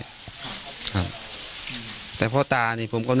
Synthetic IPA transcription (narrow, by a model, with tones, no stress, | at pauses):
kʰa˧˥p̚ | t̪ɛː˨˩pʰɔː˥˩t̪aː˧niː˧˩pʰo˩˦mkɔ˥˩n